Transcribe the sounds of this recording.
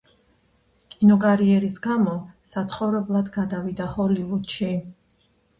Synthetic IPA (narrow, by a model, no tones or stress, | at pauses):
kʼinɔkʼaɾiɛɾisɡamɔsat̪sʰχɔvɾɛblˠad̪ɡad̪avid̪ahɔlivud̪ʃi